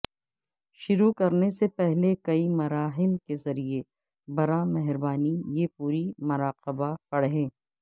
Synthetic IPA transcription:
ʃʊɾukɐɾnesepɛɦlekɐimɐɾaːɦɪlkezɐɾie | bɐɾamɛɦɾbaːnijepuːɾimʊɾaːqɪbapɐɽɦẽː

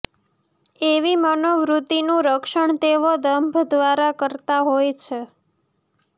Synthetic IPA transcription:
eʋimənoʋɾut̪inũɾəkʃəɳt̪eʋod̪əmbʱd̪ʋaɾakəɾt̪aɦojt͡ʃʰe

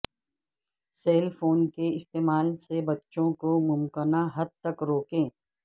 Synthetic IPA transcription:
seːlpʰoːnkeɪst̪eːmaːlsebɐtːʃõkomʊmkənaɦɐd̪̚t̪ɐkɾoːkẽː

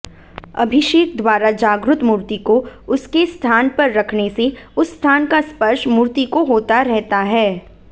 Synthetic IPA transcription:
ɐbʱɪʃeːk̚d̪waːɾad͡ʒaːɡɾʊt̪muːɾt̪ikoʊskest̪ʰaːnpɐɾːɐkʰneseʊsːt̪ʰaːnkaspɐɾʃmuːɾt̪ikoɦoːt̪aɾɛɦt̪aɦɛː

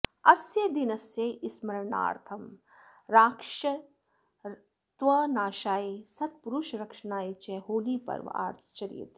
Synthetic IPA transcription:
ɐsjed̪inɐsjeʔismɐɾɐɳa̰ːɾt̪ʰɐm | ɾaːkʃɐ | t̪ʋɐnaːʃaːisɐt̪̚puɾuʃɾɐkʂɐnaːit͡ʃeɦoːliːpɐ̰ɾʋ̰a̰ːɾt̪ʰt͡ʃɐɾḭḭt̪

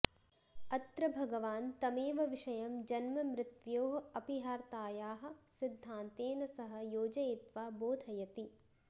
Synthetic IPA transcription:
ɐt̪ɾɐbʱɐɡɐʋaːnt̪ɐmeːʋɐʋiʂɐjɐmd͡ʒɐnmɐmɾɪt̪ʋjoːɦɐɐpiɦaːɾt̪aːjaːɦɐ̆sid̪ʱːaːnt̪eːnɐsɐɦɐ̆joːd͡ʒɐet̪ʋaːboːd̪ʱɐjɐt̪i

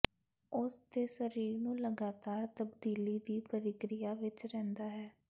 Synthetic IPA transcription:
ʊsd̪eːsəɾiːɾnũːləɡaːt̪aːɾt̪əbd̪iːliːd̪iːpəɾɪkɾɪjaːʋɪt͡ʃɾɛ̃ːnd̪aːɦɛː

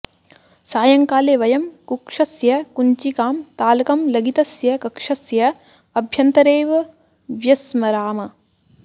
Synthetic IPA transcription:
saːjɐŋkaːleːʋɐjɐmkukʂɐsjɐkuɲt͡ʃikaːmt̪aːlɐkɐmlɐɡit̪ɐsjɐkɐkʂɐsjɐ | ɐbʱjɐnt̪ɐɾeːʋɐ | ʋjɐsmɐɾaːmɐ

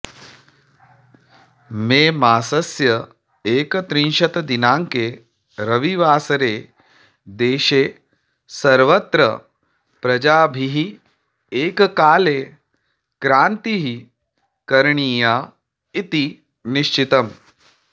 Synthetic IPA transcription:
meːmaːsɐsjɐ | eːkt̪ɾinʃɐt̪ɐd̪inaːŋke | ɾəʋiʋaːsɾeː | d̪eːʃeː | sɐɾʋət̪ɾə | pɾɐd͡ʒaːbʱiɦi | eːkkaːleː | kɾaːnt̪iɦi | kɐɾɳiːja | it̪i | niʃt͡ʃit̪ɐm

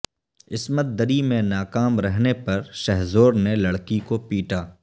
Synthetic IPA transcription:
ɪsmət̪̚d̪əɾimẽnaːkaːmɾɛɦnepɐɾʃɛɦzoːɾnelɐɽkikopiːʈaː

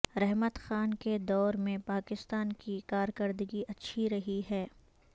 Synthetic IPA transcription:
ɾɛɦmət̪xaːnked̪ɔːɾmẽpaːkɪst̪aːnkikaːɾkəɾd̪əɡiʔɐtːʃʰiɾɐɦiɦɛː

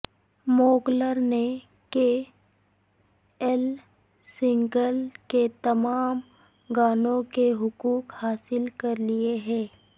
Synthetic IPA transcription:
moːɡləɾne | ke | ɛl | sɪ̃ŋɡəlket̪ɐmaːm | ɡaːnõkeɦʊkuːkhaːsɪlkɐɾlieɦɛ̃ː

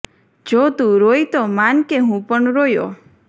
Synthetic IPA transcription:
d͡ʒot̪ũɾojt̪ɔmankeɦũpɔɳɾojo̰

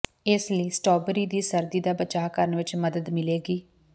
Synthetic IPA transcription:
ɪsləiːsʈɔːbɾiːd̪iːsəɾd̪iːd̪aːbət͡ʃaːkəɾənʋɪt͡ʃməd̪əd̪mɪleːɡiː

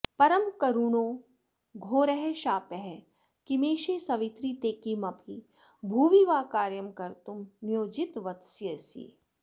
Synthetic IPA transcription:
pɐɾəmkɐɾuːnoː | ɡʱoːɾɛɦeʃaːpɛɦɛ | kimeːʃeːsɐʋɪt̪ɾit̪eːkimɐpʰi | bʱuːʋiʋaːkaːɾjɐmkɐɾt̪umnijoːd͡ʒɪt̪ʋɐt̪sjɐsḭː

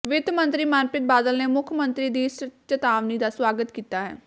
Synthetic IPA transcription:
ʋɪt̪mə̃nt̪ɾiːmanpɪt̪̚baːd̪əlneːmʊkʰjmə̃nt̪ɾiːd̪iːst͡ʃət̪aːʋniːd̪aːswaːɡət̪kiːt̪aːɦɛ̰ː

